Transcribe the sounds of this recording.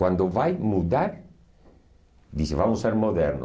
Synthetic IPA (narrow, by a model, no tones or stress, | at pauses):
wand̪oβajmuðaɾ | d̪isevamoseɾmoðɛɾno